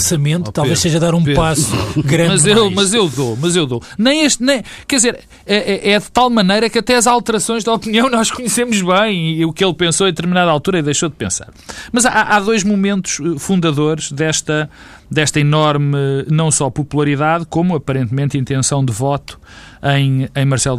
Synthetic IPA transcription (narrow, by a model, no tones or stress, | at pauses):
sɐmẽnt̪t̪alˠveʃseʒɐðaɾũpepasuɡɾɐ̃mɐzewmɐzewðomɐzewðonɐ̃j̃eʃt̪nɐ̃j̃kɛðizeɾ | ɛʔɛʔɛðɨt̪alˠmɐnɐjɾɐkɐt̪ɛɐzalˠt̪ɨɾɐsõj̃ʒðɐɔpniɐ̃w̃nɔʃkuɲsemuʒβɐ̃j̃iukelˠpẽsoɛ̃d̪ɨt̪ɨɾminaðalˠt̪uɾɐiðɐjʃoðpẽsa̰ɾmɐzaʔaʔaðojʒmumẽnt̪u̥ʃɛfũnd̪ɐðoɾʒ̥ðɛʃt̪ɐ | d̪ɛʃt̪ɐinɔɾmnɐ̃w̃sɔpupulˠɐɾiðaðkomuɐpɐɾẽnt̪mẽnt̪ĩnt̪ẽsɐ̃w̃d̪ɨvɔt̪u̥ɐ̃j̃ɐ̃j̃mɐɾsɛlˠ